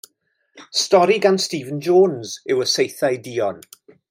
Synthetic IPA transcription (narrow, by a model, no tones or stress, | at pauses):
stɔɾiɡanstiːvənd͡ʒoːnzɪwəsejθajdiːɔn